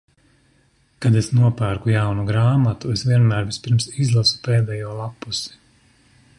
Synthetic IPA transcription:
kad̪esnuɔpæːɾkujawnuɡɾaːmat̪uesvʲiɛnmæːɾvispiɾmsizlˠasu̥peːd̪ɛːjuɔlˠapːusi̥

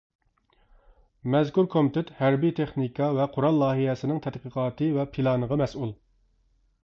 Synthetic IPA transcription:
mɛzkuɾkʰomɪt̪ɪt̪hæɾbit̪ʰeχnikʰɑvɛqʰʊɾɑlˠːɑːɦiɦɛsɪnɪŋt̪ʰɛd̪qʰəqʰɑːt̪ɨvɛpʰilˠɑːnəʁɑmɛsulˠ

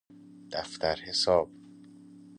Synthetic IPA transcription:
d̪̥æft̪æɾhesɒːb̥̚

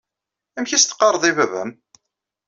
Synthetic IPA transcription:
æmçist̪ə̥qːɑɾˤðˤivævæ̰m

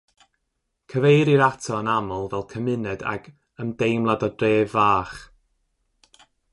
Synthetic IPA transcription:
kʰəvejɾiɾatʰɔənamɔlˠvɛlˠkʰəmɪnɛda̰ɡ | əmdejmlˠadɔdreːvaːχ

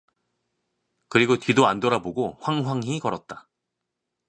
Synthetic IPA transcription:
kɯɾiɡotɥidoandoɾaboɡoɸwaŋɦwaŋɦikʌɾʌt̚t͈ḁ

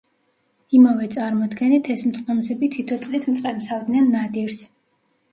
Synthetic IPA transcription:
imavɛt̪sʼaɾmɔd̪ɡɛnit̪ʰɛsmt̪sʼqʼɛmzɛbit̪ʰit̪ʰɔt̪sʼlit̪ʰmt̪sʼqʼɛmsavd̪nɛnːad̪iɾs

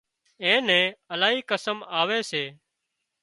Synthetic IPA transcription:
ẽːnɛ̃ːəlaːɦiːkəsəmaːʋeːseː

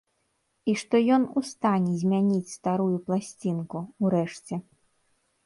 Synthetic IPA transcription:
iʂt̪ɔjɔnust̪anʲɛzʲmʲanʲit͡sʲst̪aɾujuplˠasʲt͡sʲinkuuɾɛʂt͡sʲɛ

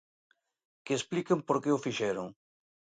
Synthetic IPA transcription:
keːsplikempoɾkeʊfiʃɛɾʊ̰ŋ

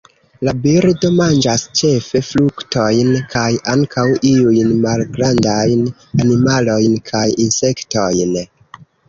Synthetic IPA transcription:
labiɾdo̞mand͡ʒast͡ʃe̞fe̞flukto̞jnkʰajʔaŋkʰawʔiujnmalɡɾandajn | animalo̞jnkʰajinse̞kto̞jn

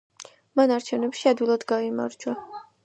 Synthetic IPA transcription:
manaɾt͡ʃʰɛvnɛpʃiad̪wilˠad̪ɡaima̰ɾd͡ʒwa

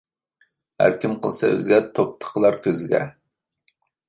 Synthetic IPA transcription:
hæ̰ɾkʲimqəlˠsɑø̰zɡʲɛt̪ʰop̚t̪ʰə̥qʰlˠɑɾkʲʰøzɪɡʲɛ̰

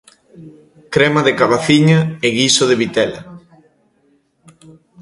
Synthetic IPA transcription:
kɾɛmaðekaβaθiɲaeɣisoðeβit̪ɛlɐ̰

